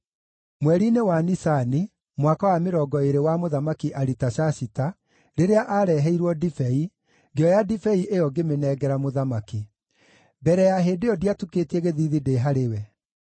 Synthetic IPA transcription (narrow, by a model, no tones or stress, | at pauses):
mwɛɾinewanisani | mwakawameɾɔɡɔeɾewamoðamakiʔaɾitaɕasita | ɾeɾeaʔaɾɛːɦɛiɾwɔdifɛi | ɡeɔjadifɛiʔejɔɡemenɛːɡɛɾamoðamaki | bɛɾɛjaɦeːndeɔdiatuketiɛɣeðiːðideɦaɾewɛ